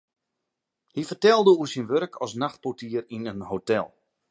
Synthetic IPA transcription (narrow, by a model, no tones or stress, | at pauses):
hifərtɛlˠdəusinʋøɾkʰɔsnaxt̚potiərinənɦotɛ̰lˠ